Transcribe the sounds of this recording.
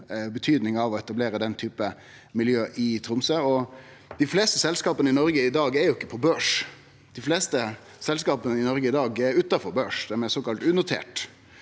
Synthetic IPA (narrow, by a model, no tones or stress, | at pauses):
bət̪ʰyːd̪nɪŋɑʋɔɛt̪ɑbleːɾəd̪ɛnt̪ʰyːpə | mɪljøːʔɪt̪ʰɾʊmsəɔ | d̪̥ɪfleːst̪əsɛlskɑːpənəɪnɔɾɡəɪd̪ɑːɡɛɾjʊɪkːə̥pʰɔbøːʂ | d̪̥ɪfleːst̪ə | sɛlskɑːpənəɪnɔɾɡəɪd̪ɑːɡɛɾʉːt̪ːɑfɔɾbøːʂd̪ɛmɛsoːkɑlt̪ʉːnʊt̪ʰḛːʈ